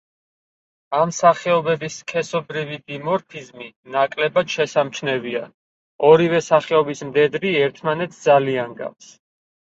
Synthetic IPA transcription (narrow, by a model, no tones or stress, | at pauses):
amsaχɛɔbɛbiskʰɛsɔbɾivid̪imɔɾpʰizmi | nakʼlɛbad̪̥ʃɛsamt͡ʃʰnɛvia | ɔɾivɛsaχɛɔbismd̪ɛd̪ɾiɛɾt̪ʰmanɛt̪sʰd̪zaliaŋɡa̰fs